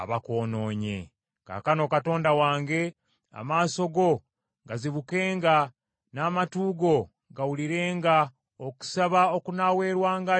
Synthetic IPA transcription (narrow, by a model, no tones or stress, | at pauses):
a̰βako̞ːno̞ːɲḛ | ka̰ːkano̞kato̞ːndawaːŋɡe̞ | a̰maːso̞ɡo̞ | ɡaziβuke̞ːŋɡa | naːmatuːɡo̞ | ɡawuliɾe̞ːŋɡa | oku̥saβao̞kunawe̞ːɾwaːŋɡa